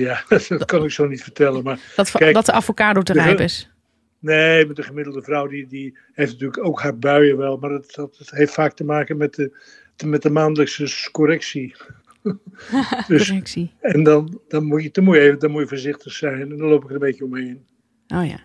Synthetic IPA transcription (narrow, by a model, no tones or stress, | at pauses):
jadtkɑnɪksownitfərtɛlənmaːrtkɛjkdtəafokaːdotədpɪs | neːmɛtdəχəmɪdəl̩ˠdəvrɔwdidi | hejftnətyːləkowkhar̚bœɥəʋɛlˠmaːrdtdɔtɦejftfaːk̚təmaːkəmɛtə | mɛt̚dəmaːndələksəkoɾɛksi | døssiɛndɑndɔnmuədɔnmujəeːvədɔnmujəvəːɹzɪχtəχsɛjnɛndɔnlowpɪkəə̃mbejtəomɦejn | oja̰